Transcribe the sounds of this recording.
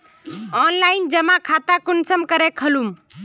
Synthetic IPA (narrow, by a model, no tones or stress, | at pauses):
ɔːnlaːɪnd͡ʒəmãkʰaːt̪akʊnsəmkəɾekʰəlum